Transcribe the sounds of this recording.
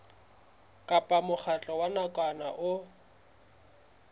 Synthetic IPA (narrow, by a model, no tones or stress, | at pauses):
kʼapʼamʊχʰat͡ɬʼɔwanakʼanaʔʊ